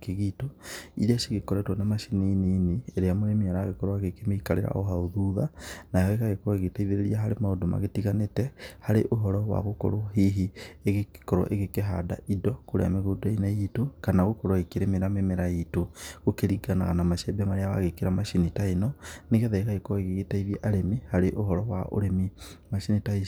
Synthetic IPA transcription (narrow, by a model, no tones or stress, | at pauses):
keɣitoḭɾeaʃiɣekɔɾɛtwɔnamaʃininiːnieɾeamoɾemiaɾaɣekɔɾwaɣekemeikaɾḛɾa̰ʔɔɦaoðuðanajɔeɣaɣekɔɔeɣetaiðeɾeɾiaɦaɾemaodoma̰ɣetiɣanetɛhaɾeʔoɦɔɾɔwa̰ɣokɔ̰ɾoɦiɦieɣekkɔɾɔ̰ʔeɣekeɦada̰ʔidɔkoɾḛa̰meɣodainaitokanaɣokɔɾɔekeɾemeɾamemeɾajitoɣokeɾiɡanaɣanamaʃɛbɛmaɾeawa̰ɣekeɾamaʃinitaenɔneɣɛðaekaɣekɔeɣeɣetaiðjeʔaɾemihaɾeʔoɦɔɾɔwaʔo̰ɾemimaʃinitai